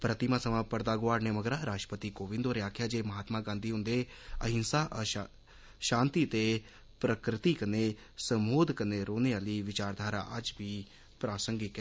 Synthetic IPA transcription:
pɾət̪ɪmaːsəmãːpəɾd̪aːɡʊaːɾneːməɡɾaːɾaːʃʈəpət̪iːkoːʋɪ̃nd̪oːɾɪjaːkʰjaːd͡ʒeːməɦaːt̪maːɡãːnd̪iːɦʊnd̪eː | əɦɪnsaːʔ | ʃãːnt̪iːt̪eː | pɾəkɾɪt̪iːkəneː | səmoːd̪kəneːɾoːneːaliːʋɪt͡ʃaːɾd̪ʱaːɾa̰ːʔəd͡ʒʋiː | pɾaːsəŋɡɪkɛ

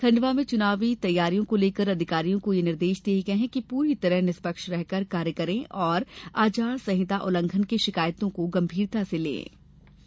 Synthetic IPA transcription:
kʰɐ̃ɳɖʋamẽt͡ʃʊnaːʋit̪ɐjːaːɾijõkoleːkəɾɐd̪ʱɪkaːɾijõkojenɪɾd̪eːʃd̪eːɡɐɦɛ̃kipuːɾit̪ɐɾəɦnɪspəkʃɾɛɦkəɾkaːɾjəkəɾẽʔɔːɾaːt͡ʃaːɽsɐɦɪt̪aʔʊlə̃ŋɡʰʱənkeʃɪkaːjt̪õkoɡɐ̃mbʱiːɾt̪aselḛ̃ː

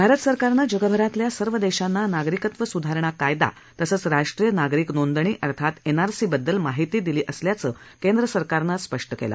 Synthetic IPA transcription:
bʱaɾət̪səɾkaɾnad͡ʑəɡəbʱəɾat̪ljasəɾʋəd̪eɕanːanaɡɾikət̪ʋəsud̪ʱaɾɳ̃akajd̪a̰ | t̪əsəːt͡sɾaʂʈɾijənaɡɾiːknond̪ɳ̃iːʔəɾt̪ʰat̪enaɾsibəd̪ːəlmaɦit̪iːd̪iliːʔəsljat͡səː | kend̪ɾəsəɾkaɾnaspəʂʈəkḛla̰

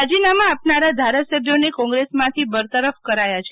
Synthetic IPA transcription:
ad͡ʒinamãːpnaɾad̪ʱaɾasəbʱjonekɔ̃ŋɡɾesmãt̪ʰibəɾt̪əɾəfkəɾajat͡ʃʰe

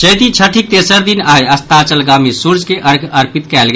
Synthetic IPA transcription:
t͡ʃəjt̪it͡ʃʰəʈʰik̚t̪eːsəɾd̪inaːeəst̪at͡ʃəlɡamẽsuɾd͡ʒkeʔəɾɡəɾpit̪kɛːlɡ

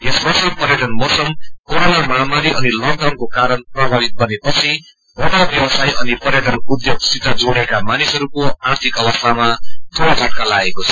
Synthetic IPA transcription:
jesbʌsʌpʌɾjʌʈʌnmosʌmkoɾonamaɦamaɾiʌnilʌɡ̚dawnkokaɾʌnprʌbʱaβit̪̚bʌnepʌt͡sʰi | bʌɽabjʌwʌsajʔʌnipʌɾjʌʈʌnud̪joɡsit̪ːʌd͡zuɽ̃ekamanisɦʌɾukoart̪ʰikʌwʌst̪ʰamat̪ʰoɾatʌʈ̚kalaɡekot͡sʰʌ̥

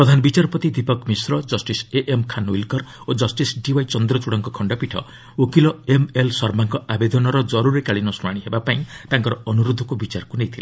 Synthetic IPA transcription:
pɾɔd̪ʱanɔbit͡ʃaɾpɔt̪id̪ipɔkmisɾɔd͡ʒɔsʈiseʔemkʰanwḭlkɔɾ | od͡ʒɔsʈisɖiwajt͡ʃɔnd̪ɾɔt͡ʃuɽɔŋkɔkʰɔɳɖɔpiʈʰɔ̰ | okilɔemelsɔɾmaŋkɔabed̪ʱɔnɔɾɔd͡ʒɔɾuɾikaɭinɔsuɽ̃aɽ̃iɦebapaĩt̪aŋkɔɾɔɔnuɾud̪ʱːɔkubit͡ʃaɾkunejt̪ʰila

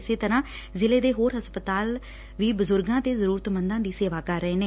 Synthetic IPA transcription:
ɪseːt̪əɾãː | zɪleːd̪eːɦoːɾɦəspət̪aːl | ʋiːbəzʊɾɡãːt̪eːzəɾuːɾət̪mənd̪ãːd̪iːseːʋaːkəɾːəeːneː

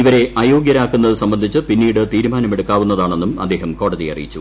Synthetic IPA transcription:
iʋɐɾe̞ʔaːjo̞ːɡjɐɾaːkːunːɐðɨsɐmbɐnd̪ʱit͡ɕːɨpinːiːɽɨt̪iːɾumaːnɐme̞ɽukːaːʋunːɐðaːɳe̞nːumɐ̰d̪ːe̞ːɦɐmko̞ːɽɐðijɐ̰rḭjit͡ɕːu

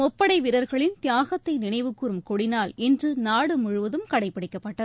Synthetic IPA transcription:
mɔpːɐɽɐɪʋɪɾɐɾɣɐɭɪnt̪ɪjaːɣɐt̪ːɐɪnɪnɐɪʋɯkːurɯmkɔɽɪnaːlɛndrɯnaːɽɯmʊɻɯʋɐðɯmkɐɽɐɪpːɐɽɪkːɐpːɐʈːɐðɯ

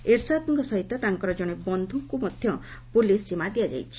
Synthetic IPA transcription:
eɾsat̪ɔŋkɔsɔɦit̪ɔt̪aŋkɔɾɔd͡ʒɔɽ̃ebɔnd̪ʱukumɔd̪ʱjɔpulisːimad̪iad͡ʒa̰jt͡ʃʰi̥

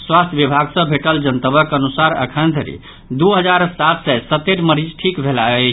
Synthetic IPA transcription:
swast̪ʰjʋibʱaɡsə̃bʱeʈəld͡ʒənt̪əbəkənusaɾə̰kʰənd̪ʱəɾḭ | d̪uɦəd͡ʒaɾsat̪sɛsət̪eɾməɾid͡ʒʈʰikbʱelae

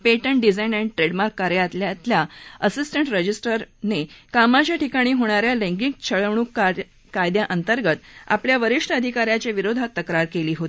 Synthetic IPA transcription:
peʈəɳɖid͡zajnæniʈɾeɖmaɾkːaɾjat̪ljat̪ljaəsisʈəɳʈɾəd͡ʑisʈəɾnekamat͡ɕjaʈikaɽ̃iːɦoɽ̃aɾjalẽŋɡik̚t͡ɕʰəɭəʋɳ̃uːk | kajd̪jaʔənt̪əɾɡət̪a̰pljaʋəɾiʂʈʰəəd̪ʱikaɾjat͡ɕeʋiɾod̪ʱat̪ːəkɾaɾkeliːɦot̪i

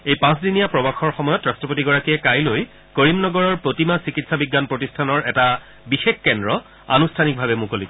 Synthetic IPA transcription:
ejpãsdinijapɹɔbaxɔɹxɔmɔjɔtɹastɹɔpotiɡɔɹakiɛkajloj | koɹimnɔɡɔɹɔɹpɹotimasikitsabiɡːanpɹotistʰanɔɹɛta | bixexkɛndɹɔ | a̰nustʰanik̚bʱabɛmukolikɔ

